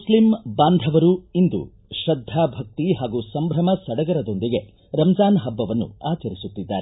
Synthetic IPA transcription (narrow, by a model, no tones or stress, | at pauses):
muslimbaːnd̪ʱɐʋɐɾuind̪ṵ | ʃɾɐd̪ʱːaːbʱɐk̚t̪iɦaːɡuːsɐmbʱɾɐmɐsɐɽɐɡɐɾɐd̪o̞nd̪iɡe̞ | ɾɐmɐd͡ʒaːnɦɐbːɐʋɐnːṵaːt͡ʃɐɾisut̪ːid̪ːa̰ːɾe